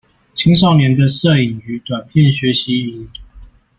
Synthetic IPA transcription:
t͡ɕʰi˥ŋʂ̬ɑ˥˩ʊnjɛ˧˥nd̪ə˧sɤ˥˩i˨˩ŋy˧˥t̪wa˨˩npʰjɛ˥˨nɕɥɛ˧˥ɕi˧˦˨

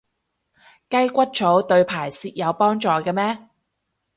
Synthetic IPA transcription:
kɐ˥jkʷɐ˥t̚t͡sʰo˨˥wt̪ɵ˧ɥpʰaː˨˩jsiː˧t̚jɐ˨˧wpɔː˥ŋt͡sɔː˨˧kɛː˧mɛː˥

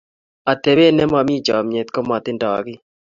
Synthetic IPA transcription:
a˨t̪e˨βe˦nɛ˦ma˨mi˦d͡ʒɔ˨mɲe˨t̪ko˦ma˨t̪ɪ˦ndɔ˨kɪ˦

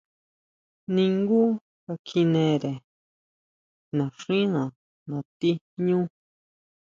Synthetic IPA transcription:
nĩ˧ŋɡu˦ | ka˧kʰi˧nẽ˧ɾe˨ | nã˨ʂĩ˦nã˨ | nã˨t̪i˦ | ɲũ˦

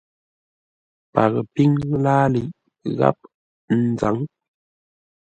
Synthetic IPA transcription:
pa˨ɣə˨pi˦ŋlaː˦li˨ʔ | ɣa̰˦p̚ | n̩˦d͡za˨˦ŋ

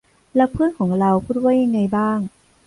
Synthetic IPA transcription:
la˧˥pʰːɯː˥ə˨nkʰɔː˩˦ŋɾa˧wpʰuː˧˥˩t̪̚waː˥˩jɲa˧ŋːa˧jbaː˥˩ŋ

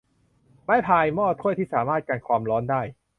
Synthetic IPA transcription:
maː˥˩jpʰaː˧jmɔː˥˩t̪ʰu˥˩əjt̪ʰiː˥˩saː˩˦maː˥˩t̪̚kaː˧nkʰwaː˧mɾɔː˦˥ndaː˥˩j

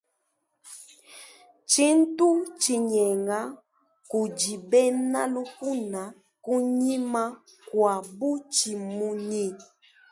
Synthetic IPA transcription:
t͡ʃi˦n̩˦tu˦t͡ʃi˨ɲɛ˨ŋɡa˦ | ku˨d͡ʒi˨bɛ˦na˦lu˦ku˦na˨ | ku˦ɲi˦ma˦ | kwa˨bu˦t͡ʃi˨mu˦ɲi˦

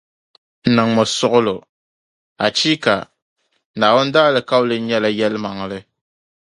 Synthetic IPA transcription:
n̩˨nɨ˨ŋmɔ˨sʊ˦ʔʊ˦lo˨ | a˨t͡ʃi˦ka˨˦ | naː˨wo˦n̩˦da˦lɨ˨ka˦ʊ˦lɨ˦ɲɛ˦la˨jɛ˦lma˨ŋlɨ˦

